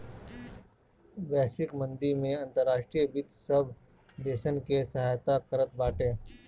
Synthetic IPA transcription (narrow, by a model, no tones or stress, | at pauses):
bɛːsɪkmə̃nd̪imẽɐ̃nt̪əɾːaːʃʈɾijəbɪt̪səb | d̪eːʃənkesɐɦaːjt̪akəɾət̪̚baːʈẽː